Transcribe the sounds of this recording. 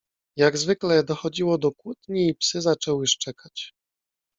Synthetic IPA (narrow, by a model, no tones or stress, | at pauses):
jaɡzvɘklɛd̪ɔxɔd͡ʑiwɔd̪ɔkwut̪ɲiːpsɘzat͡ʂɛwɘʂt͡ʂɛkat͡ɕ